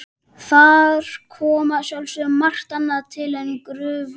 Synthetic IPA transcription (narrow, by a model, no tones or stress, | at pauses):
θaɾ̥kʰɔːmasjawlsʏmar̥t̪anːat̪ʰɪlɛnkɾʏːv